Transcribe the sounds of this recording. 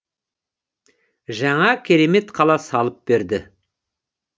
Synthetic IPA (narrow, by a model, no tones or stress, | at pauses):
ʒɑɴɑkʲʰe̞ɾe̞me̞t̪qʰɑlˠɑsɑlˠəp̚be̞ɾd̪ɪ